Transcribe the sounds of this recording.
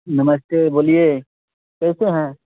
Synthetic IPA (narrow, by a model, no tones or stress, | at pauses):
nɐməst̪eboːlie | kɛːseɦɛ̃ː